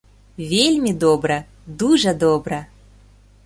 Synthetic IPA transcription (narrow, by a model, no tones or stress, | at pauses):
vʲelʲmʲid̪obɾə | d̪uʒəd̪obɾə